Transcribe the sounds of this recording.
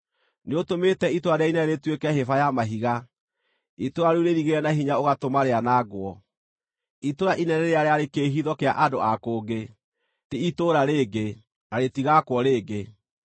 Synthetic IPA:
neotometɛitoaɾeainɛɾetwekɛɦefajamaɦiɣa | itoɾaɾuɾeɾiɣeɾɛnaɦiɲaoɣatomaɾeanaɡwɔ | itoɾaʔinɛnɛɾeaɾeaɾekeɦiðɔkea̰ʔadoakoːɡe | teitoɾaɾeːɡe | naɾetiɣakwɔɾeːɡe

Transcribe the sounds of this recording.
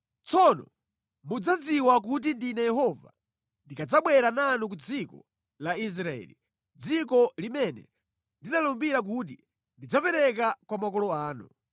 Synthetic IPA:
t͡sɔnɔ̰ | mud͡zad͡ziwak̬ut̬indinɛjɛɦɔva̰ | ndikad͡zaɓwɛɾananuk̬ud͡zikɔ̰ | lais̬ɾaɛ̰li | d͡zikɔlimɛnɛ̰ | ndinalɔmbiɾak̬ut̬i | ndid͡zapɛɾɛk̬akwamakɔlɔaːnṵ

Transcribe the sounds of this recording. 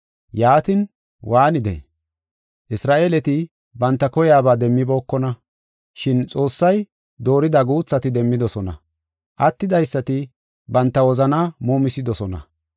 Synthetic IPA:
jaːt̪ɪn | wʔaːnɪd̪ɛ̰ | ʔɪsɾaːʔeːlɛt̪ɪ | bɐnt̪ːɐkɔjaːbaːd̪ɛmːɪbo̞ːkːɔnɐ | ʃɪnt͡sʼo̞ːsːɐj | d̪o̞ːɾɪd̪ɐɡuːt͡sːɐt̪ɪd̪ɛmːɪd̪ɔsɔnɐ̰ | ʔɐt̪ːɪd̪ɐjsːɐt̪ɪ | bɐnt̪ːɐwɔzɐnaːmuːmɪsɪd̪ɔsɔnɐ̰

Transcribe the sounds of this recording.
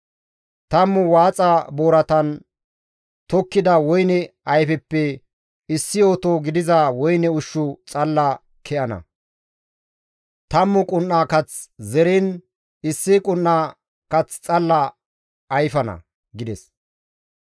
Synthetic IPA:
t̪ɐmːʊwaːt͡sʼɐbo̞ːɾɐt̪ɐn | t̪ɔkːɪd̪ɐwɔjnɛɐjfɛpːɛ | ɪsːɪo̞ːt̪oːɡɪd̪ɪzɐwɔjnɛʊʃːʊt͡sʼɐlːɐ | kʰɛʔɐnɐ̰ | t̪ɐmːʊkʼʊnːaːkɐt͡szɛɾin | ɪsːɪkʼʊnːaː | kɐt͡st͡sʼɐlːɐː | jfɐnɐ̰ | ɡɪd̪ɛs

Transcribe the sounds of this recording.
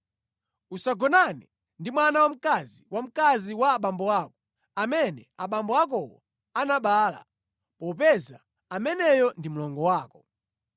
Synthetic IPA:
usaɡɔnanɛ | ndimwanawam̩kaziwam̩kaziwaːɓambɔaːkɔ̥ | amɛnɛaɓambɔak̬ɔwɔ̰ | anaɓaːla̰ | pɔpɛza | amɛnɛjɔndim̩lɔŋɡɔwaːkɔ

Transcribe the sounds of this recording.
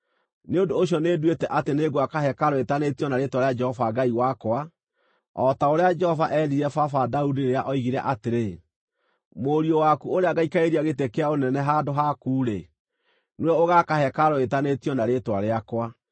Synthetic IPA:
neondoːɕiɔnedwetɛʔateneɡoakaɦɛkaɾoetanetijɔnaɾetwaɾead͡ʒɛhɔvaɡaiwakwa | ɔtaoɾead͡ʒɛhɔvaʔɛɾiɾɛfafadaudiɾeaʔɔiɣiɾɛ̰ʔateɾe | moɾiɔwakuoɾeaɣaikaeɾiaɣetekeaonɛnɛɦadoɦakuːɾe | nwɛoɣakaɦɛkaɾoetanetiɔnaɾetwaɾeakwa

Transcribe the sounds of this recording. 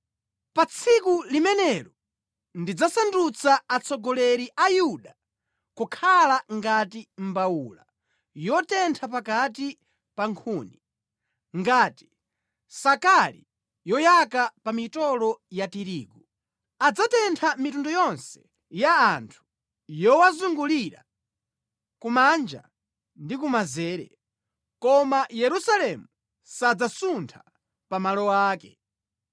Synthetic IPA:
pat͡sʰikulimɛnɛɾɔ | ndid͡zasandut͡saat͡sɔɡɔlɛɾiʔajuɗa | kukʰalaŋɡatim̩baula̰ | jɔtɛntʰapakati | paŋkʰuːni | ŋɡaːti̥ | sakalḭ | jɔjakapamitɔlɔjatiɾiːɡu | ad͡zatɛntʰamitundɔjɔnsɛ̥ | jaːntʰu̥ | jɔwazuŋɡuliɾa̰ | kumand͡ʒa̰ | ndikumazɛːɾɛ̰ | kɔmajɛɾusalɛmu | sad͡zasuntʰa | pamalɔwaːkɛ̰

